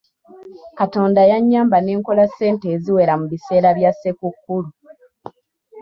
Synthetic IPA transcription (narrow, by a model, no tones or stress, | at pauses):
kato̞ːndajaɲːaːmbane̞ːŋko̞lasːe̞ːnte̞ːziwe̞ɾamuβise̞ːɾaβjasːekukːulu